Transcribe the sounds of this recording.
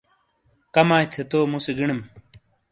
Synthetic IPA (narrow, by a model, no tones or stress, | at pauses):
kɐmaːit̪ʰet̪oːmuseɡiɳɐm